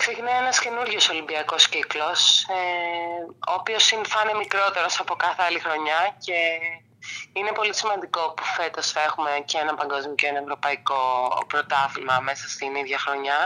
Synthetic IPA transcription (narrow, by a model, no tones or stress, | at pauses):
kseʝinɐenɐsce̞nuɾʝo̞so̞limbiɐko̞sciklo̞se | oːpio̞sinθɐnemikɾo̞t̪e̞ɾo̞sɐpo̞kɐθe̞ɐlixɾo̞ɲɐce̞ | ine̞po̞lisimɐnd̪iko̞pufe̞t̪o̞sθɐe̞xume̞ceenɐpɐŋɡo̞zmijoceenɐe̞vɾo̞pɐiko̞pɾo̞t̪ɐfimɐme̞sɐst̪iniðʝɐxɾo̞ɲɐ